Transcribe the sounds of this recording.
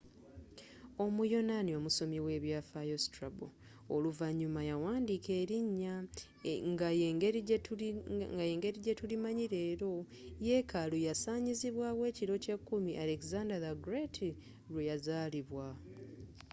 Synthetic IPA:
o̞mujo̞nanio̞muso̞miwe̞βjafajostɾabo | oluvaɲːumajawaːndikʰe̞ːɾiɲːa | ŋɡajeŋɡeɾ | ɡajeːŋɡe̞ɾiɟe̞tulimaɲiɾe̞ːɾo̞ | je̞kʰalujasaːɲiziβwaːɣwe̞ːciɾo̞ce̞kːumiʔale̞kizandaðaɡɾetʰi | lujazaːliβwa

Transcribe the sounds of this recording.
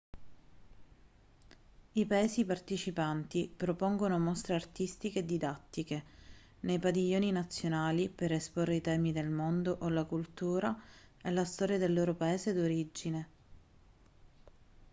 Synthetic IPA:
ipaeːzipart̪it͡ʃipant̪ipɾopoŋɡonomost̪ɾeart̪ist̪ikeːd̪ːid̪at̪ːike | nejpad̪iʎːoːninat̪sːjonaːliperesporːeit̪ɛːmid̪elmond̪oʔolakult̪uːɾa | elast̪ɔːɾjad̪elːoːɾopaeːzed̪oɾid͡ʒːine

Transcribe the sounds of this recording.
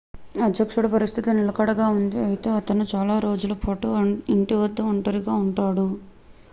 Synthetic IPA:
ɐd̪jɐkʂuɽɐpɐɾist̪ʰit̪inilɐkɐɽɐɡaːund̪iɐjit̪e̞ːɐt̪ɐnut͡ʃaːlaːɾo̞ːd͡ʒulɐpʰoʈoiɳʈiʋɐd̪ːɐɐɳʈɐɾiɡaːuɳʈaːɽu

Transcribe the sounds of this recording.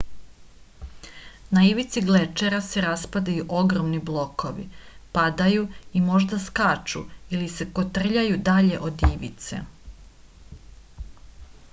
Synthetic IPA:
naiʋit̪siɡlet͡ʃeɾase̞ɾaspad̪ajuʔo̞ɡɾomniblˠo̞ko̞ʋḭpad̪ajuimo̞ʒd̪askaːt͡ʃṵilise̞ko̞t̪r̩ʎajud̪aʎe̞ʔod̪iʋḭt̪sḛ

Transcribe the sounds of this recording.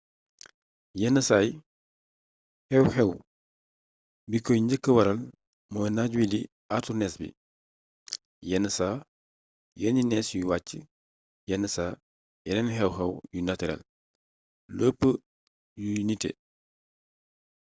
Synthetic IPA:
jɛnːəsaːj | hɛwhɛw | bikɔjɲɟəkːəwɐɾɐl | mɔːjnaɟwili | atunɛsbḭ | jɛnːəsaː | jɛninɛsjuwaːcːə | jɛnːəsaː | jɛnɛnɦɛwɦɛwjunatɛɾɛ̰l | ləːpːə | junitɛ̰

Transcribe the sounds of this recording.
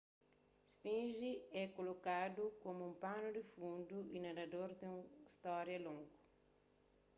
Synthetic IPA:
spĩnʒiɛkolokad̪ukomuũmpanud̪ifũnd̪uinɐd̪ɐd̪oɾd̪ũist̪ɔɾjɐlõŋɡu

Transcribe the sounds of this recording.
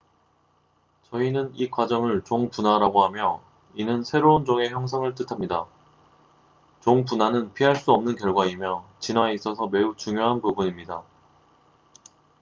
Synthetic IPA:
t͡ɕʌinɯnikwad͡ʑʌŋɯɭt͡ɕoŋpunaɾaɡoɦamjʌ | inɯnsʰe̞ɾound͡ʑoŋe̞çjʌŋsʰaŋɯɭt͈ɯtʰamɲida | t͡ɕoŋpunanɯnpʰiɦaɭs͈uʌmnɯnkjʌɭɡwaimjʌt͡ɕinwaeis͈ʌsʰʌme̞ut͡ɕuŋjoɦanpubuɲimɲida

